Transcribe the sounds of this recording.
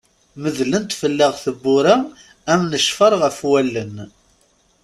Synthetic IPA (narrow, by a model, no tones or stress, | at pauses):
məðlənt̪fəlːəʁθəbːʊɾæ | æmnəʃfəɾˤʁəfwælːən